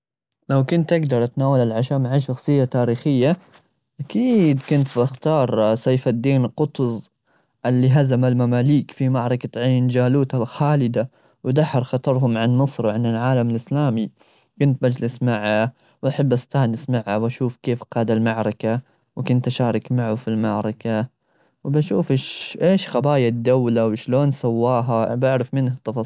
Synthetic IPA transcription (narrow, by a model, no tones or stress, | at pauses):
lawkʊnt̪ʔaɡd̪ɑɾˤʔat̪naːwalalʕaʃaːmaʕaʃɑxsˤɨjːat̪aːɾiːxɪjːa | ʔakiːd̪kʊnt̪baxt̪ɑːɾˤsajːfad̪ːiːnqʊt̪zˤ | ʔɪlːiɦazamalmamaːliːkfimaʕɾˤɑkaʕaːnd͡ʒaːluːt̪alxaːlɪd̪a | wd̪aħːɑɾˤxɑt̪ˤɑɾˤɦʊmʕanmɨsˤɾwʕanɪlʕaːlamɪlʔɪslaːmi | kʊnt̪̚bad͡ʒlɪsmaʕa | wʔaħɪbːʔast̪aːnɪsmaʕːawaʃuːfkeːfqɑːd̪almaʕɾˤɑka | wkʊnt̪ʔaʃaːɾˤɑkmaʕufilmaʕɾˤɑka | wbaʃuːfɪʃʔeːʃxabaːjad̪ːawlawʃloːnsawːaːɦabaʕɾɪfmɪnhat̪ːɑfɑ